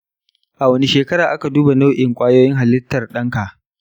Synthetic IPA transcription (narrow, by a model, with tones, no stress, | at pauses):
ʔa˨wɐ˦ni˨˦ʃeː˨kɐ˦ɾaː˨ʔa˦ka˨duː˦ba˨nɐ˦wʔɪ˨ŋkʷʼaː˦joː˦jɪ˦ŋɦa˨lɪ˦tːɐ˨rɗɐ˦ŋka˨ʔ